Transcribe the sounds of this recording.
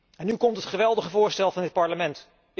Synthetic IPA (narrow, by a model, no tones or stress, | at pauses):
ɛnykɔmtɦətχəʋɛlˠdəχəvʊːɹstɛlˠvɑndɪt̚pɑɹləmɛnt